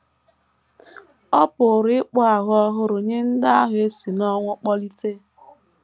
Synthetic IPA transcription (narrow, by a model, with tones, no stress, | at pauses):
ɔ˦pʊ˨ɾɪ˦k͡pʊ˦a˨ɦʊ˦ɔ˦ɦʊ˦ɾo˨ɲe˦n̩˦da˦a˦ɦʊ˦e˦si˨nɔ˦ŋʷʊ˦k͡pɔ˦li˦te˦